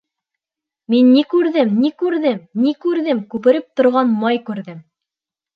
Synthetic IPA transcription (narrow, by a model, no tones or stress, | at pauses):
minːikʉɾðɘmnikʉɾðɘmnikʉɾðɘmkʉpɘ̆ɾɘp̚t̪ŏɾʁɑnmɑjkʉɾðɘm